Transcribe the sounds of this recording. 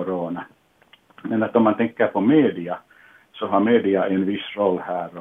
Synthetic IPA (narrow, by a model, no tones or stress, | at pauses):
oroːnɑ | menːæt̪ːomːɑnt̪eŋkːæːpomeːdiɑ | sohɑmeːdiɑenʋisrolhæːr